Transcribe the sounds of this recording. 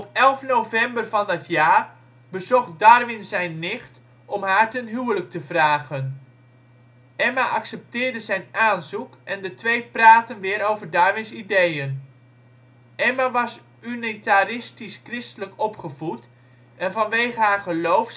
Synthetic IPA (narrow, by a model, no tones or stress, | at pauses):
ɔpɛlˠfnowvɛmbərvɑndɪtʰjaːr | bəzɔχdɑrʋɪnzɛjnːɪχt | ɔmɦaːɹtənɦywələk̚təvraːɣən | ɛmaʔɑksɛp̚tɪːrdəzɛjnaːnzukʔɛndətʋejpraːtənʋɪːɾowvərdaɹʋɪnsidejən | ɛmaʋɑs | ynitarɪstiskrɪstələkɔpχəvut | ɛnvɑnʋejχəɦaːɹχəlowfs